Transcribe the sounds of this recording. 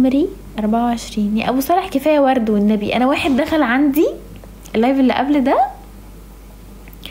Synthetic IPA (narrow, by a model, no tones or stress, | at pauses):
mɾi | ʔɑɾˤbaʕawʕeʃɾiːnjæ̰ʔæbusˤɑleħkefæːjæwɑɾˤd̪owenːæbiʔæ̰næwæːħed̪ːæxælʕand̪i | ʔelːɑjvelːiʔæ̰bld̪æ